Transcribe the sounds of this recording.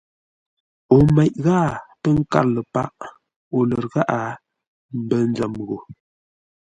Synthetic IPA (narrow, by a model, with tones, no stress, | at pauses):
o˨ma˨ʔɣa˦˨pə˦ŋ̩˦ka̰˦˨ɾlə˨pa˦ʔ | o˨lə˨ɾɣa˦ʔa˨ | m̩˦bə˦n˦d͡zə˨mɣo˨